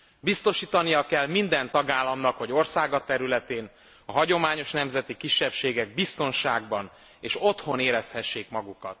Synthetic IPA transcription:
bist̪o̞ʃiːt̪ɒnijɒkɛlmind̪ɛnt̪ɒɡaːlːɒmnɒkhɒɟo̞rsaːɡɒt̪ɛɾylɛt̪eːn | ɒɦɒɟo̞maːɲo̞ʃnɛmzɛt̪ikiʃːɛpʃeːɡɛɡ̚bist̪o̞nʃaːɡ̚bɒn | eːʃo̞t̪ho̞neːɾɛshɛʃːeːkmɒɡukɒt̪̚

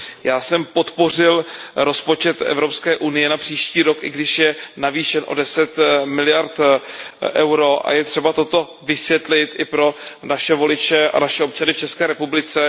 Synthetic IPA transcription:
jaːsɛmpo̞t̪po̞rɪlɾo̞spo̞t͡ʃɛt̪ʔɛ̰vɾo̞pskɛːʔunɪjɛnapr̝̥iːʃciːɾo̞kʔɪɡdɪʃjɛnaviːʃɛnʔo̞̰dɛsɛt̪mɪlɪjaɾt̪ | ʔɛwɾo̞ʔa̰jɛt̪r̥ɛbat̪o̞t̪o̞ | vɪsvjɛt̪lɪt̪ɪpɾo̞naʃɛvo̞lɪt͡ʃɛʔa̰naʃɛo̞p̚t͡ʃanɪft͡ʃɛskɛːɾɛpublɪt͡sɛ

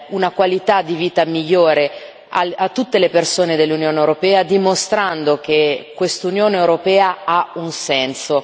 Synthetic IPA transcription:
unakwalit̪ad̪iviːt̪amiʎːoːɾe | a̰at̪ːut̪ːelepersoːned̪elːunjoːnewɾopɛːad̪imost̪ɾand̪ok̟ekːwest̪unjoːneewɾopɛːaaunsɛnso

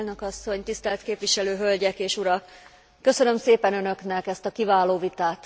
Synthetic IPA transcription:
lnø̞kɒsːo̞ɲt̪ist̪ɛlt̪keːpʋiʃɛløːɦølɟɛkeːʃuɾɒkː | ø̞sø̞nø̞mseːpɛnø̞nø̞knɛkɛst̪ɒkivaːloːvit̪aːt̪

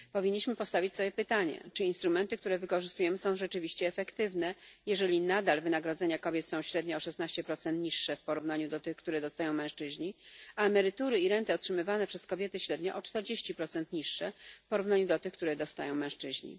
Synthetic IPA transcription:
pɔvʲiɲːiɕmɘpɔst̪avʲit͡ɕʲsɔbjɛpɘt̪aɲɛ̰t͡ʂɘinst̪ɾumɛnt̪ɘk̚t̪uɾɛvɘkɔʐɘst̪ujɛmɘsɔ̃w̃ʐɛt͡ʂɘvʲiɕt͡ɕɛːfɛkt̪ɘvnɛjɛʐɛlʲinad̪alvɘnaɡɾɔd̪zɛɲakɔbʲjɛt̪sɔ̃w̃ɕɾɛd̪ɲɔɔʂɛst̪naɕt͡ɕɛpɾɔt̪sɛnt̪ɲiʂːɛfpɔɾuvnaɲud̪ɔt̪ɘxkt̪uɾɛd̪ɔst̪ajɔ̃w̃mɛ̃w̃ʂt͡ʂɘʑɲiaɛmɛɾɘt̪uɾɘiɾɛnt̪ɨɔt̪ʂɘmɘvanɛpʂɛskɔbʲjɛt̪ɘɕɾɛd̪ɲɔʔɔt͡ʂt̪ɛɾd͡ʑeɕt͡ɕipɾɔt̪sɛnt̪ɲiʂːɛfpɔɾuvnaɲud̪ɔt̪ɘxkt̪uɾɛd̪ɔst̪ajɔ̃w̃mɛ̃w̃ʂt͡ʂɘʑɲḭ

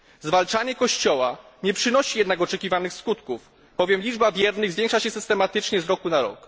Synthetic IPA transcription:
zvalt͡ʂaɲɛkɔɕt͡ɕɔwa | ɲɛpʂɘnɔɕijɛd̪nakɔt͡ʂɛkʲivanɘxskut̪kuf | b̥ɔvʲjɛmlʲid͡ʐbavʲjɛɾnɘɣzvʲjɛŋkʂaɕɛsɘst̪ɛmat̪ɘt͡ʂɲɛzɾɔkunaɾɔ̰k

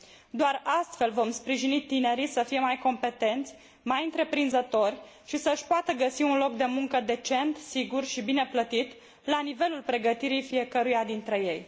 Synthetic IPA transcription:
d̪oarast̪fe̞lvo̞mspɾiʒinit̪ine̞ɾisəfije̞majko̞mpe̞t̪e̞nt̪sʲ | majɨnt̪ɾe̞pɾinzət̪o̞rʲ | ʃisəɨʃpoat̪əɡəsiunlo̞k̚d̪e̞muŋkəd̪e̞t͡ʃe̞nt̪siɡurʃibine̞plət̪it̪ | lanive̞lulpɾe̞ɡət̪iɾijfije̞kəɾujad̪int̪ɾe̞je̞j

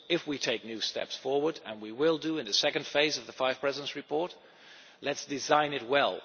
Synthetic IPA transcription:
ɪfwitʰeɪk̚nʉstɛ̰psfɔɹwə˞ɾɨ̰̃nwiwɪlˠdɨɨ̃nðɨsɛkɨ̃n̩d̥feɪzʌvðəfaɪv̥pʰɹ̥ɛzɨɾnsɹɨpʰɔɹt | lɨtsd̥ɨzãɪ̃nɨt̚wɛlˠ

